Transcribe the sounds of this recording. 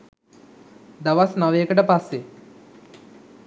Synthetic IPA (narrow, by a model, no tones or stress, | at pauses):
d̪aʋasnaʋeəkəʈəpasːe